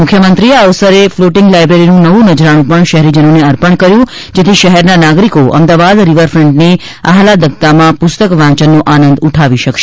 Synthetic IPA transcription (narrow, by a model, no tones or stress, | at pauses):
mʊkʰjəmənt̪ɾieəʋsəɾefloʈɪŋɡlajbɾeɾinũnəʋũnəd͡ʒɾaɽ̃ũpəɳʃəɦɾid͡ʒənoneəɾpəɳkəɾjũ | d͡ʒet̪ʰiʃəɦɛɾnanaɡɾikoʔə̰md̪aʋad̪ɾiʋəɾfɾə̃ɳɖne | aɦlad̪ək̚t̪amãpʊst̪əkʋãt͡ʃənːoʔanə̃nd̪uʈʰaʋiʃəkʃe̥